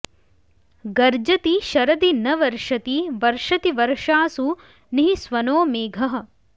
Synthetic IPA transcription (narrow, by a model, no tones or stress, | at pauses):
ɡɐɾd͡ʒɐt̪iʃɐɾɐd̪inɐʋɐɾʂɐt̪iʋɐɾʂɐt̪iʋɐɾʂaːsu | niɦisʋɐnoːmeːɡʱɐɦɐ̆